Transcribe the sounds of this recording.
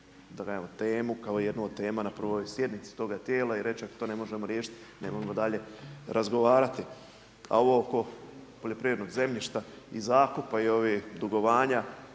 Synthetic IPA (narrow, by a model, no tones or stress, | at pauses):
d̪aɡaemot̪e̞ːmukao̞ijed̪nuod̪̚t̪e̞ːmanaprʋojsje̞d̪nit̪si̥t̪o̞ːɡat̪je̞ːlaiɾe̞t͡ʃiako̥t̪o̞ːne̞mo̞ʒemoɾjeːʃi̥t̪ne̞moʒemod̪aʎe̞ɾʔazɡo̞ʋaːɾat̪i | a̰o̞ʋo̞oko̞poʎe̞pɾiʋʲjed̪noɡze̞mʎiʃt̪a | ḭzaːkupaio̞ʋid̪uɡo̞ʋaːɲa